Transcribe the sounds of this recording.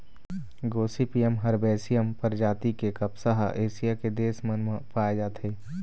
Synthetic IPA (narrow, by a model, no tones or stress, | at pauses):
ɡoːsipijəmɦɐɾbɛːsijəmpəɾd͡ʒaːt̪ikekɐpsaɦʔeːsijaked̪eːsmənməpaːed͡ʒaːt̪ɦeː